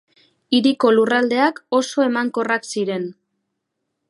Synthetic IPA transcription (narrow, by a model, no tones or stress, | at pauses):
iɾiko̞lurald̪e̞ako̞so̞e̞maŋko̞raksiɾe̞n